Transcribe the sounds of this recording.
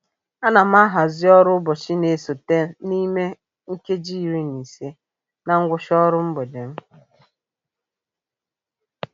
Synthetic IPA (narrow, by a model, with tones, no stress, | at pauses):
a˦na˨m̩˦a˦ɦa˨zɪ˦ɔ˦ɾʊ˦bɔ˨t͡ʃi˦ne˨so˨te˦ni˦me˦ | ŋ̩˦ke˦d͡ʒi˦˨ɾi˦ni˨se˦ | na˨ŋ̩˦ɡʷʊ˦ʃɔ˦ɾʊ˦m̩˦bɔ˨de˨m̩˦